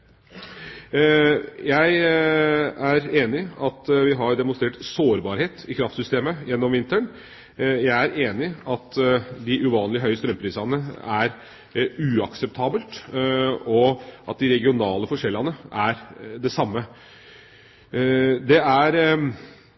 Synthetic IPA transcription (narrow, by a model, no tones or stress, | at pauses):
jæɪ | æɾeːnɪɑt̪ʋɪɦɑɖ̪ɛmʊnst̪ɾeːʈsoːɾbɑːɾheːt̪ɪkʰɾɑft̪sʏst̪eːməjɛnːɔmʋɪnt̪əɳ | jæɪæɾʔeːnɪɑt̪d̪ɪʔʉʋɑːnlɪɦœʏəst̪ɾœmpʰɾiːsɑnəæɾ | ʉɑksɛp̚t̪ʰɑːbəlt̪ | ɔʔɑ̰t̪̚d̪ɪɾɛɡɪʊnɑːləfɔʂɛlːɑnəʔæɾd̪ɛsɑmːə | d̪ɛæɾ